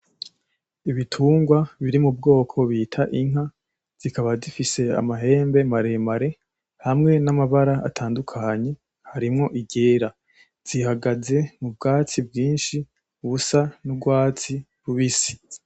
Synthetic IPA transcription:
iβitʰuːŋɡwaβiɾimub̚ɡo̞ːkʰo̞βiːtʰaʔiŋ̥ɦa | z̥ikaβazifise̞a̰maɦe̞ːmbe̞maɾe̞maɾe̞ | hamŋe̞namaβaɾaa̰tʰaːndukʰaɲe̞ | haɾimŋo̞ʔiɟe̞ːɾa | z̥ihaɡaze̞mub̚ɡaːt͡sibɡiːnʃi | uβusanubɡwaːt͡si | βuβisi̥

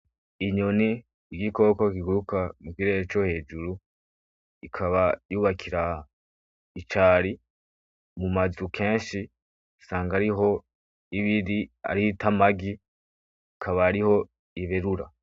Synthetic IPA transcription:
iɲo̞niː | ɡiko̞ːkokiɡuɾukamukiɾe̞ːɾet͡ʃo̞he̞ːd͡ʒuɾu | ikʰaβajuːβakʰiɾa | it͡ʃaːɾi | mumazukʰe̞ːnʃi | saːŋɡaɾiɦo̞ | iβiɾia̰ɾiitamaɡi | kʰaβaːɾiho̞ | iβeɾuɾa̰

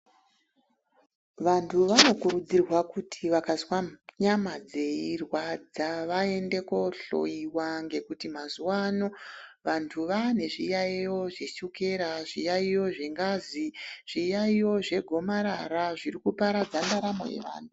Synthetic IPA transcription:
ʋantʰuʋano̞kurud͡zirwakutʰiʋakaswaɲamad͡ze̞irwad͡zaʋae̞nde̞ko̞ɬo̞̰iwaŋɡe̞kutimazuwaːno̞ʋantʰuʋane̞ʐijaijo̞ʐeʃuke̞ɾaʐijaijo̞ʐeŋɡaziʐ̥ijaijo̞ʐe̞ɡʱo̞maɾaɾaʐirikupaɾad͡zandaɾamo̞̰jḛʋa̰ːntʰu

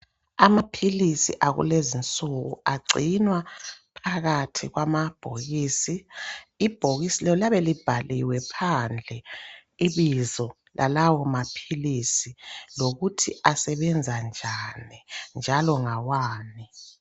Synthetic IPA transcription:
amapʰilisḭʔaɣṵlezint͡sʼuɣṵaɡ͡ǀʱinwapʰaɣatʰiɣwamab̥ʱoɣiːsiː | b̥ʱoɣisilɛlaβɛlib̥ʱalʔiwɛpʰand͡ɮʱɛiβizɔ | lʔalawɔmapʰilisiloɣutʰḭasɛβɛnd͡zʱand͡ʒʱanind͡ʒʱalɔŋawaːni

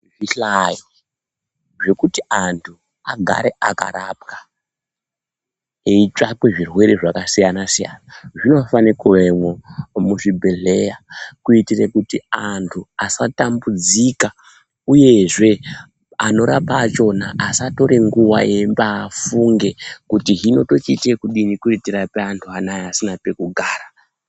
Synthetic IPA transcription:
viɬai | ʐe̞kutiantʰu | aɡʱa̰ɾe̞aka̰ɾapkḁ | eit͡ʃakwe̞ʐirwe̞ɾeʐakasijanasija̰naʐino̞fanikemwomuʐibʱe̞ɮe̞jakuitirekutiantʰuasatambud͡zika | uje̞ʐe̞ | ano̞ɾapaːt͡ʃo̞naʔːsato̞ɾeŋɡuwa̰embaːfuŋɡe̞kutiɦino̞to̞t͡ʃitirekuɗinikuitirapeantʰuanajeasinape̞kuɡʱaːɾa

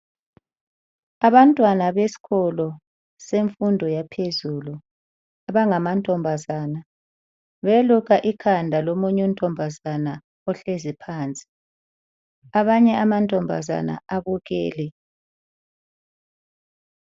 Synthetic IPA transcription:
aβantʼwanaβesi̥ɣɔlɔ | seɱfundʱɔjapʰezuːlu | aβaŋamantʼɔmbʱazaːna | βeluɣaʔikʰandʱalomuɲum̩tʼɔmbʱazana | ɔɬezipʰaːnt͡sʼi̥ | aβaɲɛamantʼɔmbʱa̰za̰na̰aβuɣɛ̰ːlɛ

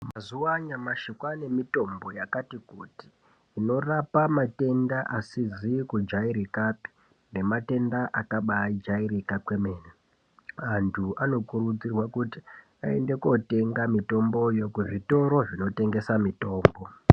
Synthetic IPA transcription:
mazuaɲamaʃikwane̞mito̞mbo̞jakatikuːti̥ː | no̞rapamate̞ndaʔasizikud͡ʒaiɾikapi̥ | ne̞mate̞ndaʔakaɓaid͡ʒairikakwe̞meːne | antʰuano̞kuɾud͡zirwakuti̥ | a̰e̞nde̞ko̞te̞ŋɡamito̞mbo̞jokuʐito̞ɾo̞ʐino̞te̞ŋɡe̞samito̞ːmbo̞

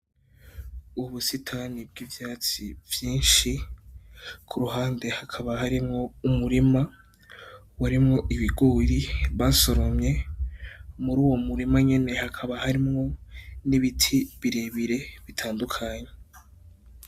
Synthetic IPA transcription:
uβusitʰanib̚ɡivjaːt͡sḭvjiːnʃi | kʰuɾuhaːnde̞hakʰaβahaɾimŋo̞umuɾima | waɾimŋo̞ʔiβiɡoːɾiβaso̞ɾo̞mɲe̞ | muɾuːwo̞muɾimaɲe̞ne̞hakʰaβahaɾimŋo̞niβitʰiβiɾeβiɾe̞βitʰaːndukʰaɲe̞

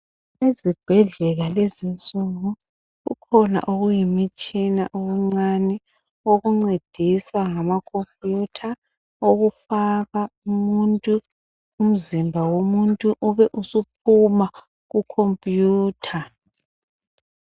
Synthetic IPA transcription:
ezib̥ʱɛɮɛlalezint͡sʼuŋu | ɣṵkʰɔna̰ʔoɣujimit͡ʃʼina̰ʔoɣuŋ͡ǀanɛ | oɣuŋ͡ǀed̥ʱisaŋamakʰompʼjutʰa | oɣufaɣaumuntʼuː | m̩zimbʱawomuntʼuʔuβɛʔusup̚ʰuma | ɣukʰompʼjuːtʰa

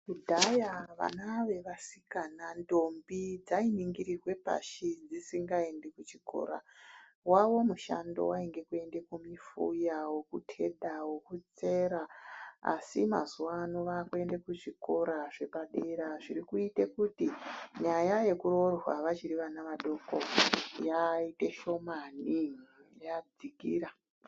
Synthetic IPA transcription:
kudʱajaʋa̰naʋe̞ʋasikanando̞mbid͡zainiŋɡiɾirwe̞pa̰ʃid͡zisiŋɡae̞nde̞kut͡ʃiko̞̰ɾa̰ | waʋo̞muʃa̰ndo̞̰waiŋɡe̞kue̞nde̞kumifṵjawokutʰe̞ɗawokut͡se̞ɾaa̰simazuwanoʋakue̞ndekut͡ʂiko̞ɾaʐe̞paɗeɾaʐiɾikuite̞kutiɲajaje̞kuɾo̞rwaʋat͡ʃiɾiʋanaʋaɗo̞ko̰jaite̞ʃo̞manijad͡zikḭːɾa

